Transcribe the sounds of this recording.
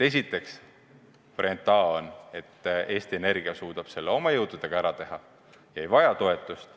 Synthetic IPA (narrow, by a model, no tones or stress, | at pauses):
t̪e̞s̬it̪ːˑe̞ks | poɾent̪ˑːɑːo̞ne̞t̪ːe̞ːst̪ie̞ne̞rɡ̥iɑsuːd̪̥ɑb̥se̞lːeo̞mɑjɤwd̪̥ud̪̥e̞ɡ̥ɑæɾɑt̪e̞ɦɑ | jɑejvɑjɑt̪o̞e̞t̪ːˑust̪